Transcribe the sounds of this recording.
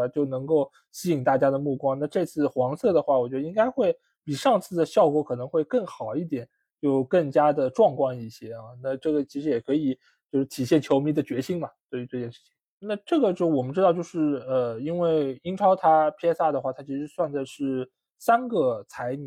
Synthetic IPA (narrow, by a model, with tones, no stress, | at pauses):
t͡ɕjo˥˩ʊnɤ˧˥ŋko˥˩ʊ | ɕi˥i˨˩ŋt̪a˥˩t͡ɕja˥d̪ə˨mu˥˩kwɑ˥ŋna˥˧ʈ͡ʂɤ˥˧t͡sʰɹ̩˥˩xwɑ˧˥ŋsɤ˥˩d̪ə˩xwa˥˩wɔ˨˩t͡ɕɥɛ˧˥d̪i˥ŋka˥ɪxwe˥˩ɪ | pi˨˩ʂɑ˥˧ŋt͡sʰɹ̩˥˩d̪ə˩ɕjɑ˥˧ʊkwɔ˥˩kʰɤ˨˩nɤ˧˥ŋxwe˥˧ɪkɤ˥˩ŋxɑ˨˩ʊi˥˩t̪jɛ˨˩˦n | t͡ɕjo˥˧ʊkɤ˥˩ŋt͡ɕja˥d̪ə˨ʈ͡ʂwɑ˥˧ŋkwɑ˥˧ŋi˥˩ɕjɛ˥ɐ˧na˥˧ʈ͡ʂɤ˥˩ɡə˩t͡ɕʰi˧˥ʂɻ̩˧˥jɛ˨˩kʰɤ˧˥i˨˩ | t͡ɕjo˥˧ʊʂɻ̩˥t̪ʰi˨˩ɕjɛ˥˩nt͡ɕʰjo˧˥ʊmi˧˥d̪ə˨t͡ɕɥɛ˧˥ɕi˥ŋbɐ˨t̪we˥˩ɪy˧˥ʈ͡ʂɤ˥˧t͡ɕjɛ˥˧nʂɻ̩˥˩t͡ɕʰi̥˨˩ | na˥˧ʈ͡ʂɤ˥˩ɡə˩t͡ɕjo˥˩wɔ˨˩mə˦nʈ͡ʂɻ̩˥ɑ˥˧ʊt͡ɕjo˥˧ʊʂɻ̩˥˩ə˧i˥nwe˥˩ɪi˥ŋʈ͡ʂʰɑ˥ʊt̪ʰa˥pʰjɛ˥sa˥˩d̪ə˩xwa˥˩t̪ʰa˥t͡ɕʰi˧˥ʂɻ̩˧swa˥˧nt͡sa˥˧ɪʂɻ̩˥˩ | sa˥nɡə˨˧t͡sʰa˧˥ɪn˨˩